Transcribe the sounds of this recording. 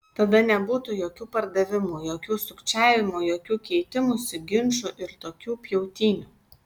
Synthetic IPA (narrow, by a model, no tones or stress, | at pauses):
t̪ɐd̪ɐnʲɛbuːt̪ʊjoːkʲuːpɐɾd̪ɐʋʲɪmujoːkʲuːsʊkt͡ʃʲæːʋʲɪmujoːkʲuːkʲɛɪt̪ʲɪmusʲɪɡʲɪnʃʊʔɪɾt̪oːkʲuːpʲjɛʊt̪ʲiːnʲuː